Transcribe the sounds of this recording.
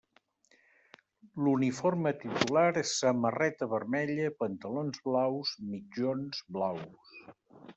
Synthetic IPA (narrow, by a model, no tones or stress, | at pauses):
lunifoɾmət̪it̪ulaɾesəmərɛt̪əβəɾmɛʎəpənt̪əlonzβlawzmid͡ʒonzβlaws